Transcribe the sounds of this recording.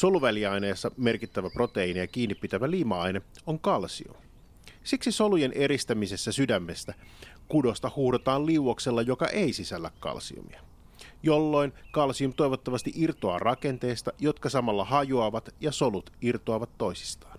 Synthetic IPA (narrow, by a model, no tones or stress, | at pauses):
so̞luʋæliɑjne̞ːsːɑme̞rkit̪ːæʋæpro̞t̪e̞inijɑk̟iːnːipːit̪æʋæliːmɑɑjneoŋkɑlsio̰ | siksiso̞luje̞nʔe̞ɾist̪æmise̞sːæsydæmːe̞st̪æ | kudo̞st̪ɑhuhdot̪ɑːlliuwokse̞lːɑjo̞kɑ̰ʔe̞isisælːækkɑ̰lsḭo̰mḭɑ | jo̞lːo̞jnkɑlsiumt̪ojʋot̪ːɑʋɑst̪iʔirt̪oɑ̰ːrʔɑke̞nt̪e̞ːst̪ɑjo̞t̪kɑsɑmɑlːɑhɑjuɑʋɑt̪jɑso̞lut̪irt̪oɑʋɑt̪ːo̞jsi̥st̪ɑ̥ːn